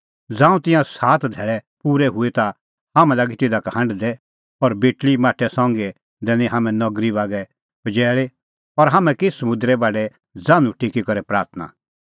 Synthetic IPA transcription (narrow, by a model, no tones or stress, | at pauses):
d͡zãːũt̪ɪ̃jãsaːt̪ʰd̪ʱɛːɭɛpuːɾɛɦʊet̪a | ɦaːmɛ̃laːɡit̪ɪd̪akhɐ̃ɳɖd̪ɛ | ɔɾbeːʈlimaːʈʰːɛsãːŋɡe | d̪ɛ̃ːnĩɦaːmɛ̃nɔɡɾibaːɡɛ | b̥ɐd͡ʒɛːɭe | ɔɾɦaːmɛ̃kɪsɐmʊ̃nd̪ɾɛbaːɖɛ | d͡zãːnũʈʰikikɐɾɛpɾaːɾt̪ʰna̰